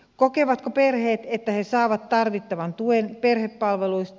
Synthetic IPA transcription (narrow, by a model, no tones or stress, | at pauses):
kokeʋɑt̪koperheːt̪et̪ːæhesɑːʋɑt̪tɑrʋit̪ːɑʋɑnt̪uenperhepːɑlʋeluist̪